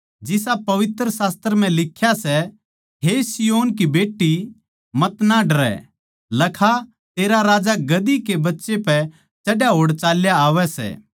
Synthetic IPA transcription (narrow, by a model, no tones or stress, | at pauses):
d͡ʒɪsapɐʋɪt̪ɾəsaːst̪əɾəm̤ɛ̃lɪkʰːjasɛ | ɦesijoːnkibeːʈːi | mɐt̪naɖɐɾɛ̰ | lɐkʰa | t̪eːɾaɾaːd͡ʒaɡɐd̪ikebɐtːʃepɛ | t͡ʃɐɖjaɦoːɽt͡ʃaːljaːʋɛsɛ̰ː